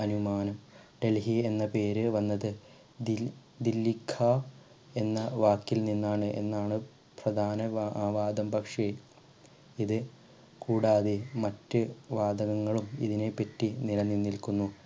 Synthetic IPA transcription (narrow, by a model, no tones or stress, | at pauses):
ɐnumaːnɐmɖe̞lɦie̞nːɐpe̞ːɾɨʋɐnːɐðɨ | i | d̪ilːikʰːaː | e̞nːɐʋaːkːilninːaːɳɨʔe̞̰nːaːɳɨ | prɐd̪ʱaːnɐʋaːd̪ɐmbʱɐkʂe | iðɨ | kuːɽaːðemɐtːɨʋaːd̪ɐɣɐŋːɐɭumḭðine̞pːɐtːinilɐnːinːilkunːu